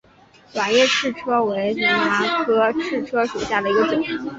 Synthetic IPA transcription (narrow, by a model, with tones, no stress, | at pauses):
wa˨˩ŋjɛ˥˧ʈ͡ʂʰɻ̩˥˩ʈ͡ʂʰɤ˥we˧˥ɪn̩˧˥ŋna˧˥kʰɤ˥ʈ͡ʂʰɻ̩˥˩ʈ͡ʂʰɤ˥ʂu˨˩ɕja˥˩d̪ə˩i˧˥ɡə˧ʈ͡ʂu˨˩˦